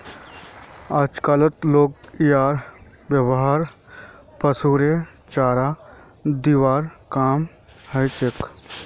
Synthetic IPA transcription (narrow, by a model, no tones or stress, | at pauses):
aːd͡ʒkaːlət̪loːɡijaːɾ | ʋjəwɦaːɾ | pəsuːɾet͡ʃaːɾa | d̪iːʋaːɾkaːm | həjt͡ʃek